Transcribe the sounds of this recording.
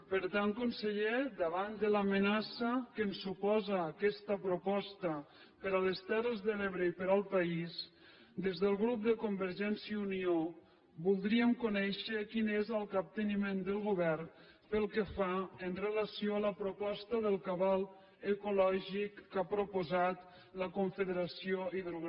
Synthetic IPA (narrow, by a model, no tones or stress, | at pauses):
pəɾt̪aŋkunsəʎed̪əβand̪ələmənasəkənsupɔzaːkɛst̪əpɾupɔst̪ə | pəɾaləst̪ɛrəzðəleβɾəipəɾalˠpais | d̪ezðəlˠɣɾup̚d̪əkumbəɾʒɛnsiəunio | bulˠd̪ɾiəmkunɛʃəkinezəlˠkap̚t̪ənimend̪əlˠɣuβɛr | pəlˠkəfaənrələsijoələpɾupɔst̪əðəlˠkaβalˠ | əkulɔʒikːapɾupuzat̪ | ləkuɱfəðəɾasioiðəl